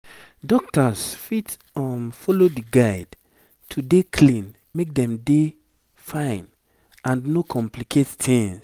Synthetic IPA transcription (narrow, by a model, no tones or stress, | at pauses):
dɔk̚tasfit | ɔmfɔlodiɡaɪd | tʰudekʰlĩn | mek̚dɛ̃mde | fãɪ̃n | ãnnokʰɔ̃mplikʰettʰĩŋs